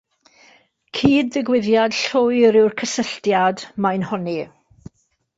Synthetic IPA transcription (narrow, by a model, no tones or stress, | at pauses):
kʰiːdðɪɡwɪðjad̥ɬʊːɨɾɪwrkʰəsəɬtjadmajnhɔni